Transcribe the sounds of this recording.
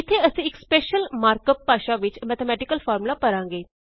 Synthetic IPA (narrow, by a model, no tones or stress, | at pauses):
ɪt̪ʰːeːəsĩːɪkspɛːʃəlmaːɾkəpːaːʃaːʋɪt͡ʃmɛːt̪ʰɛmɛːʈɪkəlpʰɔːɾmlaːpəɾãːŋɡeː